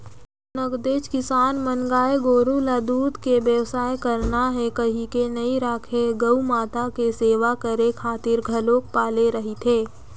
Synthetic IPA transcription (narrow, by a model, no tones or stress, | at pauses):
nɐɡd̪eːd͡ʒkɪsaːnmənɡaːeɡoːɾũlaːd̪uːd̪keʋjəʋsaːekɐɾnaɦɛkɐɦĩkenɐiɾaːkʰeɡɐumaːt̪akeseːʋakəɾekʰaːt̪ɪɾɡʱɐloːk̚paːleɾɐɦit̪ʰeː